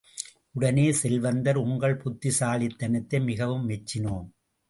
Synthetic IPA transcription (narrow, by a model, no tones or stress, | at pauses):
ʔʊɽɐneːsɛlʋɐnd̪ɐɾʊŋɡɐɭpʊt̪ːɪsaːɭɪt̪ːɐnɐt̪ːɐɪmɪɣɐʋɯmːɛt͡ʃːɪnoːm